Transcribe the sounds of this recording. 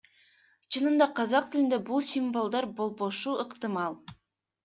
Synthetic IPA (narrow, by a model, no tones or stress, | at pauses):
t͡ʃʰɯnɯnd̪ɑqʰɑzɑq̚t̪ɪlɪnd̪ebulˠsʲimvolˠd̪ɑɾbolˠboʃuɯqt̪ɨmɑlˠ